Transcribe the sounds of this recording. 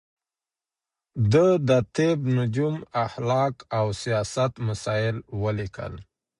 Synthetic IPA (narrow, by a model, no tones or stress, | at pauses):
d̪əd̪ət̪ebnʊd͡ʒumaxlɑkawsijɑsat̪masɑɪlwəlikə̰l